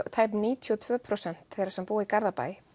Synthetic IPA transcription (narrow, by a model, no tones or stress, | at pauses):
t̪ʰaːjpnniːt̪ʰijɔt̪ʰvœːpʰɾosɛn̥t̪θɛjɾasɛmpuːɪikaɾðapa̰ːjɪ